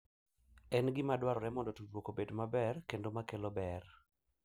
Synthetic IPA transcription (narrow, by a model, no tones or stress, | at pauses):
ɛnɡɪmadwaɾɔɾɛmɔndɔtudwokobedmabɛrkendomakelɔbɛr